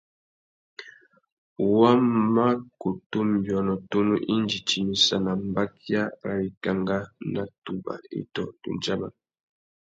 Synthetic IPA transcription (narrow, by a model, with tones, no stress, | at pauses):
wa˦ma˦ko˨tu˦m˨bjɔ˨nɔ˨to˦nu˦ʔi˦nd͡ʒi˨ti˨mi˨sa˨na˨m˦ba˦ki˦a˦ɾa˨i˨ka˦˨ŋɡa˦na˨tu˨ba̰˨ḭ˦tɔ˨tṵ˨nd͡ʒa˦ma˨